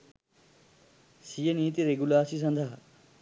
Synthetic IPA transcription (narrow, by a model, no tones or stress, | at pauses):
sijeniːt̪iɾeɡulaːsisʌnd̪ʱa